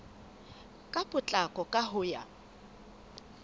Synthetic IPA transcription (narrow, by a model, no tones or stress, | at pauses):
kʼapʼʊt͡ɬʼakʼɔkʼaɦʊːja̰